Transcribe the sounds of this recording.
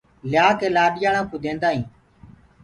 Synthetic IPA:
lɪjaːkeːlaːɗɪjaːɳãːkoːd̪ẽːnd̪aːɦĩː

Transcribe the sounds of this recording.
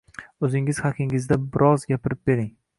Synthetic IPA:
ɵzɪŋɪz̥hakʲʰɪŋɪzd̪abɪɾʔɒzɡʲapʰɪɾɪp̚beɾɪŋ

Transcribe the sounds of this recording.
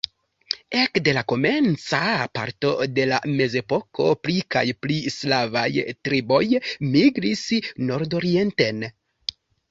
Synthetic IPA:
e̞kde̞lako̞me̞nt͡sapa̰ɾto̞de̞la̰me̞ze̞po̞ko̞̰plika̰jplislava̰jtɾibo̞jmiɡɾisno̞ɾdo̞ɾie̞nte̞n

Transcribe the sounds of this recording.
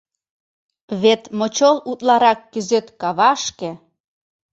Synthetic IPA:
βet̪mot͡ɕolut̪lɑɾɑkːyzøt̪kɑβɑʃkĕ

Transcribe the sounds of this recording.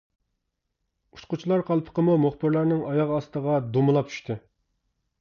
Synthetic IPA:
u̥t͡ʃqʊt͡ʃʰilˠɑɾqʰɑlˠpʰə̥qəmumoχbɪɾlˠɑɾnɪŋʔɑjɑʁɑst̪əʁɑd̪omɨlˠɑp̚t͡ʃʰy̥ʃt̪ʰɨ

